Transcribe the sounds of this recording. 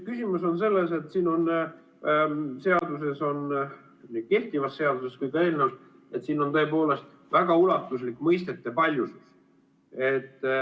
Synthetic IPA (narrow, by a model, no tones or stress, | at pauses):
kysimuso̞nse̞lːe̞se̞t̪siːno̞n | se̞ɑd̪use̞so̞n | nike̞ht̪ivɑsːe̞ɑd̪̥useskujkɑe̞ːlneus | e̞t̪siːno̞nt̪ɤepo̞ːle̞st̪ | væɡ̥ɑulɑt̪ːˑuslikːˑmɤjst̪e̞t̪ːˑepɑlʲjusus | e̞t̪ː